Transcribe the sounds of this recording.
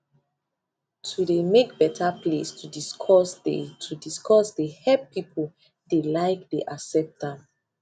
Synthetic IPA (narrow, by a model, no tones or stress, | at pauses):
tʰudemek̚bɛtʰaplestʰudiskʰɔsdḛtʰudiskʰɔsdehɛpːipʰol | delaɪk̚deʔaksɛp̚tdãm